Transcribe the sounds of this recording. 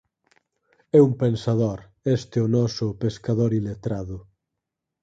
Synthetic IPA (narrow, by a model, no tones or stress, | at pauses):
ɛumpensaðoɾ | ɛst̪eonɔsʊpeskaðoɾilet̪ɾaðʊ